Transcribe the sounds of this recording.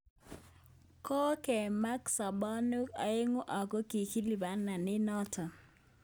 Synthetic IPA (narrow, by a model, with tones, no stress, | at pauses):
kɔ˦kɛ˨ma˦ksa˨bɔ˦nu˦ka˨ɪ˦ŋo˦ʔa˨ko˦ki˨ki˦li˨ba˦na˨nɪ˦nɔ˦tʰɔ˨